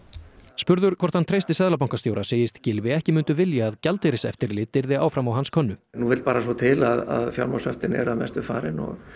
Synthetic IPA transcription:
spʏɾðʏɾ̥kʰvɔɾ̥t̪hant̪ʰɾejst̪ɪsɛðlap̬awŋkast̪joːwɾaseːjɪst̪cɪlvɪɛhcɪmʏnt̪ʏvɪljaːðcalt̪eɾɪsɛ̰ft̪ɪɾlɪːt̪ɪɾðɪa̰ːwfɾamawɦanskʰœnːʏnuvɪlt̪paːɾasɔt̪ʰɪlaða̰ðfja̰wɾmasœft̪ɪnɛ̰ɾavmɛ̰st̪ʏfa̰ːɾɪnɔ̰ɣ

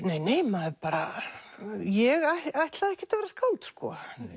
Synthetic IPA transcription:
neːjneːjmaðɛpaːɾa | jɛɣahajht̪laðɛhkcɛ̥ft̪avɛɾaskaːwlt̪skɔ̰

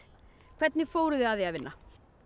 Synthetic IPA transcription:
kʰv̥ɛt̪nɪfoːwɾʏðɪaðɛaðvɪnːa

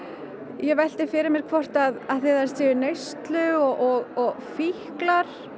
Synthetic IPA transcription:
jɛɣvɛl̥t̪ɪ̥fɪːɾɪɾmjɛɾ̥kʰvɔr̥t̪aðaðθɪðɛɾ̥sɪːʏnœɥst̪lʏɔɔɣɔɣfihklaɾ̥

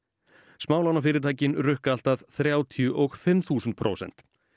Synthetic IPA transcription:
smaːwlawnafɪːɾɪɾt̪ʰaːjcɪnrʏhkal̥t̪aðθɾjaːwt̪ʰjʏʔɔɣfɪmθuːsʏnt̪̚pʰɾʔo̰wsɛ̰n̥t̪

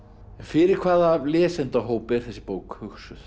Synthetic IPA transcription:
ɛnfɪɾɪɾ̥kʰvaːðalɛːsɛnt̪aɦoːwpɪɾ̥θɛsːɪ̥poːwkhœxsʏθ

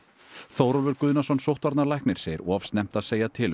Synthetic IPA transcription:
θoːwɾɔvʏɾkʏːðnasɔnsowht̪vaɾt̪naɾlajhknɪɾ̥seːjɪɾɔv̥st̪nɛm̥t̪aðseːjat̪ʰɪl

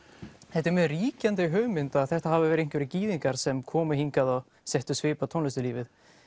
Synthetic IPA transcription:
θɛht̪ːɪɾmjœðriːcant̪ɪɦœːɣmɪnt̪aðθɛht̪ahavɪvɛɾɪejŋ̥kvɛɾɪciːðiŋkaɾ̥sɛmkʰɔːmʏhiŋkaðɔɣ | sɛht̪ʏsvɪːpat̪ʰownlɛst̪ʏliːvɪθ

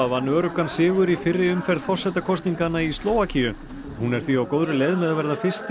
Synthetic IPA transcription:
avanœːɾʏkansɪːɣʏɾifɪrːɪʏmfɛɾðfɔr̥sɛt̪akʰɔst̪niŋkanːaist̪loːwacʰijʏ | hunɛɾ̥θviawkoːwðɾʏlejðmɛðavɛɾðafɪ̥st̪

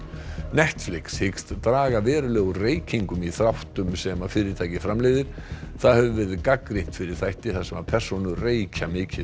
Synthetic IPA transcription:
nɛht̪flɪkshɪkst̪t̪ɾaːɣavɛːɾʏlɛːɣʏreːjcʰiŋkʏmiθɾawht̪ʏmsɛmafɪːɾɪɾt̪ʰaːjcɪfɾamlejðɪɾ̥θaðhɛvʏvɛːɾðɪkakɾejht̪fɪɾɪɾ̥θajht̪ɪθasɛmaɾpʰɛr̥sɔnʏreːjcamɪːcɪ

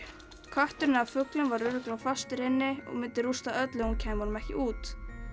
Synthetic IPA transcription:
kʰaht̪ʏɾɪnɪafʏklɪnvaɾʏɾʏklawfast̪ɪɾɪnːɪɔ̰ɣmɪnt̪ːɪɾust̪aœt̪lɪɣuncʰɛːjmaɾnʏmɛhcɪʔuːt̪

